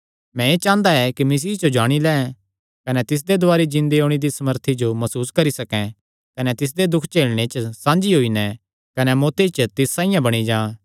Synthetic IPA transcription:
mɛ̃et͡ʃãːnd̪aɛkimɐs̬iːɦd͡ʒod͡ʒaːɽ̃ilɛ̃ːɛ̃ | kɐnɛt̪ɪs̬d̪ed̪ʊaːɾid͡ʒɪ̃nd̪eɦoːɽ̃id̪isɐməɾt̪ʰid͡ʒomɐsuːskɐɾisɐkɛ̃ | kɐnɛt̪ɪs̬d̪ed̪ʊkʰt͡ʃeːlɽ̃et͡ʃsãːnd͡ʒiɦoːinɛ | kɐnɛmoːt̪et͡ʃt̪ɪsːãːĩjãbɐɽ̃id͡ʒãː

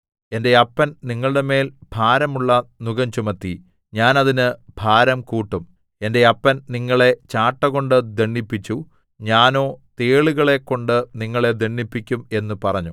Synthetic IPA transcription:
e̞nde̞ɐpːɐnniŋːɐɭɨɽe̞me̞ːlbʱaːɾɐmuɭːɐnuɣɐɲt͡ɕumɐt̪ːi | ɲaːnɐðinɨbʱaːɾɐmkuːʈːum | e̞nde̞ɐpːɐnniŋːɐɭe̞t͡ɕaːʈːɐɣo̞ɳɖɨd̪eɳːipːit͡ɕːu | ɲaːno̞ːt̪e̞ːɭuɣɐɭe̞kːo̞ɳɖɨniŋːɐɭe̞d̪eɳːipːikʲːume̞nːupɐrɐɲːu

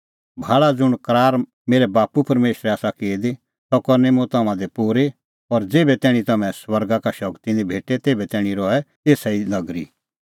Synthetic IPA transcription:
bʱaːɭad͡zʊɽ̃kɾaːɾ | meːɾɛbaːpupɐɾmeːʃɾɛaːsakeːd̪e | tɔkɐɾnemʊ̃t̪ɐmãd̪epuːɾe | ɔːɾd͡zeːbɛt̪ɛːɽ̃it̪ɐmɛ̃swɐɾɡakaʃɐkt̪inibʱeːʈet̪eːbɛt̪ɛːɽ̃ĩɾɔɛ | eːsainɐɡɾḭ

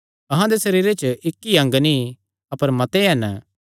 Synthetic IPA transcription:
ɐɦãd̪esɐɾiːɾet͡ʃɪkːiɐ̃ŋɡnĩ | ɐpəɾmɐt̪eɦɛn

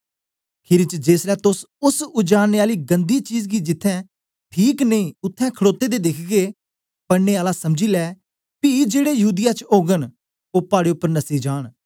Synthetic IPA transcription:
kʰɪɾɪt͡ʃd͡ʒeːslɛːt̪ʊs | ʊsʊd͡ʒaːɽneːaːliːɡə̃nd̪iːt͡ʃiːzɡiːd͡ʒɪt̪ʰːɛ̃ː | ʈʰiːknəĩːʊt̪ʰːɛ̃ːkʰəɽoːt̪ːeːd̪eːd̪ɪkʰɡeː | pəɽneːaːlasɐmd͡ʒiːlɛː | pid͡ʒeːɽeːjəɦuːd̪ɪjat͡ʃoːɡən | oːpaːɽeːʊpːəɾnəsiːd͡ʒaːɽ̃

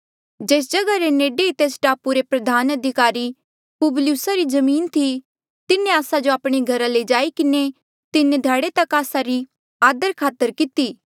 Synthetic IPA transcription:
d͡ʒeːs̬d͡ʒɐɡaɾeneːɖeit̪eːsʈaːpuɾepɾɐd̪ʱaːnɐd̪ʱɪkaːɾi | pʊbljusaɾizɐmiːnt̪ʰi | t̪ɪnẽaːsad͡ʒoaːpɽ̃iɡʱɐɾaled͡ʒaːikɪne | t̪ɪned̪ʱaːɽet̪ɐkaːsaɾi | aːd̪əɾkʰaːt̪ːəɾkɪt̪iː

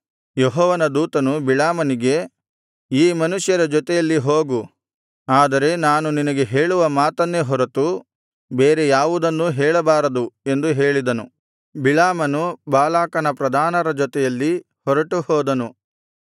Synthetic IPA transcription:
jeɦɔːʋɐnɐd̪uːt̪ɐnubilaːmɐniɡe̞ | iːmɐnuʂjɐɾɐd͡ʒɔt̪ɛjɐlːiɦoːɡu | aːd̪ɐɾe̞naːnuninɐɡe̞ɦeːɭuʋɐmaːt̪ɐnːeɦɔɾɐt̪u | beːɾe̞jaːʋud̪ɐnːuɦɛːɭɐbaːɾɐd̪ue̞nd̪uɦe̞ːɭid̪ɐnu | bilaːmɐnubaːlaːkɐnɐpɾɐd̪ʱaːnɐɾɐd͡ʒɔt̪ɛjɐlːi | hɔɾɐʈuhɔːd̪ɐnu

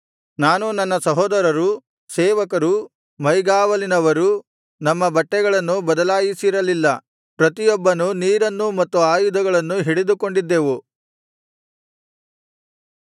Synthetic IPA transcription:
naːnunɐnːɐsɐɦɔːd̪ɐɾɐɾu | seːʋɐkɐɾu | mɐjɡaːʋɐlinɐʋɐɾu | nɐmːɐbɐʈːɛɡɐɭɐnːubɐd̪ɐlaːjisiɾɐlilːɐ | pɾɐt̪ijɔbːɐnuniːɾɐnːumɐt̪ːuaːjud̪ɐɡɐɭɐnːuɦiɽed̪uko̞ɳɖid̪ːeːʋu

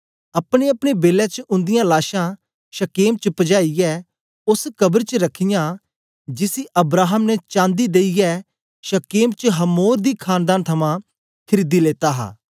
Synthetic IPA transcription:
ɐpɽ̃eɐpɽ̃ebeːlɛ̃t͡ʃəʔʊ̃nd̪ɪjãlaːʃã | ʃɐkeːmt͡ʃəpəd͡ʒaːijɛː | ʊskɐbəɾt͡ʃəɾɐkʰɪjãː | d͡ʒɪsiʔɐbɾaːɦəmnɛt͡ʃãːnd̪id̪eːijɛː | ʃəkeːmt͡ʃəɦɐmoːɾd̪iːkʰaːnd̪aːnt̪ʰɐmãː | kʰɐɾiːd̪ileːt̪aːɦa̰ː

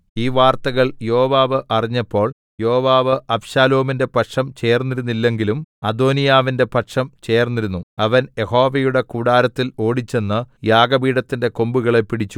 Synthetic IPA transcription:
iːʋaːrt̪ɐɣɐɭjo̞ːʋaːʋɨʔɐriɲːɐpːo̞ːɭ | jo̞ːʋaːʋɨʔɐpɕaːlo̞ːminde̞pɐʈʂɐmt͡ɕe̞ːrnːiɾunːilːe̞ŋɡilumɐd̪o̞ːnijaːʋinde̞pɐʈʂɐmt͡ɕe̞ːrnːiɾunːuɐʋɐne̞ho̞ːʋɐjuɽe̞kuːɽaːɾɐt̪ːilo̞ːɽit͡ɕːe̞nːɨjaːɡɐbiːɽɐt̪ːinde̞ko̞mbuɣɐɭe̞pːiɽit͡ɕːu

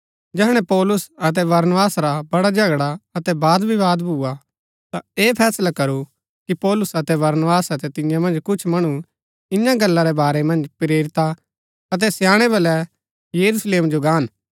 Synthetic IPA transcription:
d͡ʒɛɦɽ̃ɛ̃pɔːlʊsɐt̪ɛʋɐɾnʋaːsɾabɐɽad͡ʒɐɡɽaɐt̪ɛbaːd̪bʱiʋaːd̪bʱua | t̪aeːpʰɛːslakɐɾu | kipɔːlʊsɐt̪ɛʋɐɾnʋaːsɐt̪ɛt̪ɪ̃jãmɐ̃nd͡ʒkʊt͡ʃʰmɐɽ̃u | ɪjãɡɐlːaɾɛbaːɾɛmɐ̃nd͡ʒpɾeːɾɪt̪a | ɐt̪̬ɛsjãːɽ̃ɛbɐlɛ | jɐɾusleːmd͡ʒoɡaːn

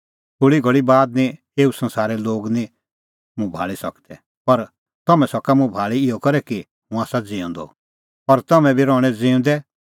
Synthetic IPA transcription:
t̪ʰʊɭiɡʱɐɭibaːd̪nĩ | eːusɐ̃nsaːɾɛloːɡnĩ | mũbʱa̰ːɭisɐkd̪ɛ | pɐɾ | t̪ɐmɛ̃sɔkamũbʱaːɭiɪjɔkɐɾɛki | mũaːsad͡ziːɔ̰̃nd̪ɔ̰ | ɐɾt̪ɐmɛ̃bʱiɾɔːɽ̃ɛd͡zĩːʊ̃nd̪ɛ

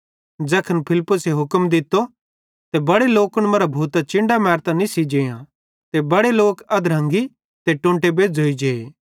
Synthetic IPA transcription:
d͡zɛːkʰənpʰɪlpːʊseɦʊkəmd̪ɪt̪ːo | t̪ebɐɽeloːkʊɽ̃mɐɾabʱuːt̪at͡ʃɪ̃ɳɖamɛːɾt̪ãnĩsid͡ʒeːjã | t̪ebɐɽeloːkɐd̪ɾɐ̃ŋɡi | t̪eʈʊ̃ːɳʈebeːd͡zʱoːid͡ʒeːeː

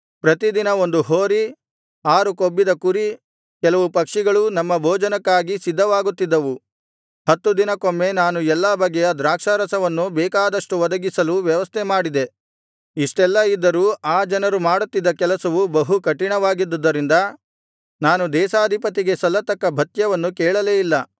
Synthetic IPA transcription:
pɾɐt̪id̪inɐo̞nd̪uɦoːɾi | aːɾukobːid̪ɐkuɾi | kɛlɐʋupɐkʂiɡɐɭunɐmːɐbʱoːd͡ʒɐnɐkːaːɡisid̪ːɐʋaːɡut̪ːid̪ːɐʋu | hɐt̪ːud̪inɐkomːe̞naːnuɛlːɐbɐɡːɛjɐd̪ɾaːkʂaɾɐsɐʋɐnːubɛːkaːd̪ɐʂʈuʋɔd̪ɐɡisɐluʋjɐʋɐst̪ʰemaːɽid̪e̞ | iʂʈɛlːɐid̪ːɐɾuːaːd͡ʒɐnɐɾumaːɽut̪ːid̪ːɐkɛlɐsɐʋubɐɦukɐʈiɳɐʋaːɡid̪ːɐd̪ːɐɾind̪ɐ | naːnud̪ɛːʃaːd̪ʱipɐt̪iɡe̞sɔlːɐt̪ɐkːɐbʱɐt̪jɐʋɐnːukɛːɭɐleːilːɐ

